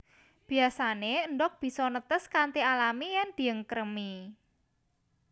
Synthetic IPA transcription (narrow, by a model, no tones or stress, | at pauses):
b̥i̤asaneənɖɔk̚b̥i̤sɔnət̪əskant̪ialamijɛŋd̪̥i̤əŋkəɾəmi